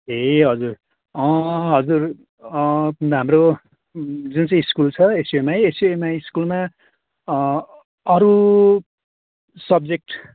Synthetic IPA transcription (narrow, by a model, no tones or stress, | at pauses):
ɦeɦʌd͡zur | ʌ̃ɦʌd͡zur | ɦamro | d͡zunt͡saĩiskult͡sʰʌesiemaeesiemaiskulma | ʌɾu | sʌb̚d͡zek̚ʈ